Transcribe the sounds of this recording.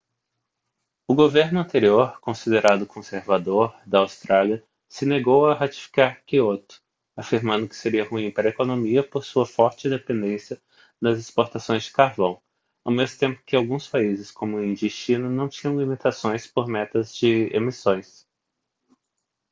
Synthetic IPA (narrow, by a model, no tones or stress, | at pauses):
ʊɡoveɾnʊɐ̃nt̪eɾioɾkõsid̪eɾad̪ʊkʰõseɾvad̪oɾd̪ɐawst̪ɾaliɐ | sɪneɡowɐɦat͡ʃi̥fi̥kaɾkiot̪ʊ̥ | afiɾmɐ̃nd̪ʊkɪ̥seɾiɐhuĩpaɾɐekonõmiɐpoɾsuɐfɔɾt͡ʃɪĩd̪epẽnd̪ẽsjɐ | d̪ɐzespoɾt̪asõj̃zd͡ʒɪkaɾvɐ̃w̃ | awmezmʊt̪ẽmpʊ̥kɪawɡũspaizɪskõmʊĩd͡ʒiʃt͡ʃĩnɐnɐ̃w̃t͡ʃĩɲɐ̃w̃limit̪asõj̃spoɾmɛt̪ɐzd͡ʒɪḛmisõj̃s